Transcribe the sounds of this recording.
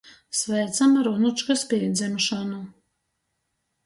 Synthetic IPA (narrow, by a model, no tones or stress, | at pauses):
svɛːt̪samaɾunut͡ʃkaspiɛd̪zʲɛnuʃanu